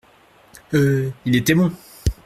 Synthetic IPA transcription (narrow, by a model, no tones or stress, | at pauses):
øilet̪ɛbɔ̃